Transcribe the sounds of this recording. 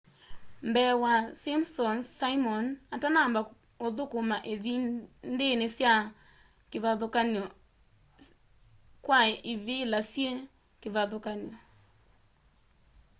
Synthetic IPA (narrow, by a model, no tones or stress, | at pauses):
mbɛwasimsɔnsaimɔnatanamba | oðokomaʔeðindenesja | keβaðokanɔ | kwaiβilasje | keβaðokanjɔ